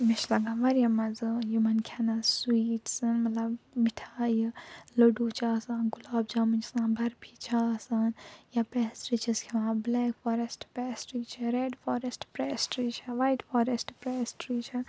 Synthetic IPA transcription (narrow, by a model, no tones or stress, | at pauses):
miʃlɐɡaːʋɐɾjamɐzɨjumɐnkʰanaswiːʈsɐnmɐt̪lɐbmiʈʰaːjiləɖuːt͡ʃʰaːsaːnɡulaːb̚d͡ʒaːmɨd͡ʒsãːnbʱɐɾbʰʱit͡ʃʰaːsanjapɛːsɾit͡ʃʰiskʰeʋãːblɛːkfaːɾesʈpɛːsʈɾiːt͡ʃʰaɾeːɖfoːɾesʈpɾeːsʈɾit͡ʃʰaʋajʈfaːɾesʈpɾeːsʈɾiːt͡ʃʰɐ